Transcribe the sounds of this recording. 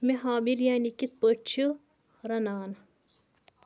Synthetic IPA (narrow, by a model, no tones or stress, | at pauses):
meɦaːbiɾjaːnikit̪̚pəʈ̚t͡ʃʰu | ɾɐnaːn